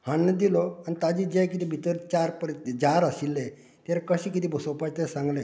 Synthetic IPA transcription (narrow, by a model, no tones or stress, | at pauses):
hãnːəd̪ilɔanit̪ad͡ʑid͡ʑɛkit̪iːbʱit̪əɾt͡ɕaɾpəɾt̪d͡ʑaɾəsilːe | t̪aɾakəɕĩkit̪iːbʱəsowpajt̪ɛsãŋɡlẽ